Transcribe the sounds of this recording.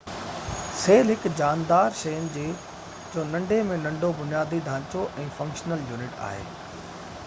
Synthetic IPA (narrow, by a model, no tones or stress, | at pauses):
seːlɦɪkd͡ʑaːnd̪aːɾʃɐjənɪ̆d͡ʑeː | d͡ʑoːnɐ̃ɳɖʱemẽnɐ̃ɳɖʱobʊnijaːd̪id̪ʱãːt͡ɕoʔɛ̃ːfɐ̃ŋkʃnəljuːnɪʈa̰ːɦḛː